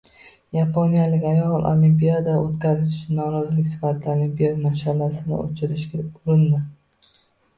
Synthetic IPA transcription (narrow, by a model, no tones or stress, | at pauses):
japʰonijalɪkʲajɒlˠʔo̰limpijad̪aot̪kʲazɪʃʊt͡ʃɪnːɒɾɒzɪlɪkʲsɪ̥fat̪ʰɪd̪aolimpijad̪maʃalasɪnɪ̰o̰t͡ʃʰɪɾɪʃɡʲaʊɾɪnd̪ɪ